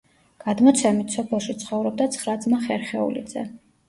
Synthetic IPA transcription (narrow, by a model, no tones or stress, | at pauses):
ɡ̥ad̪mɔt̪sʰɛmit̪ʰsɔpʰɛlˠʃit̪sʰχɔvɾɔb̚d̪at̪sʰχɾad̪zmaχɛɾχɛṵlḭd̪zɛ